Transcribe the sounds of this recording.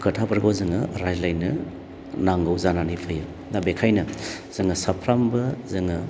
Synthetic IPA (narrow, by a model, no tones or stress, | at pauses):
kʰɯtʰapɐɾɡozɯŋɐɾajzlajnɐ | naŋɡɯwzananipʰɯjɯ | nabekʰajnɐ | z̥ɯŋɐsɐpʰɾambɐzɯŋɯ